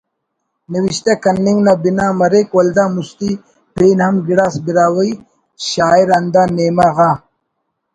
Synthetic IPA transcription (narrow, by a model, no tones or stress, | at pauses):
niwiɕt̪akɐnːiŋɡnabinaːmɐɾekwɐld̪aːmust̪i | peːnɦɐmɡiɽaːsbiɾaːwɐi | ɕaːiɾɐnd̪aːneːmaɣaː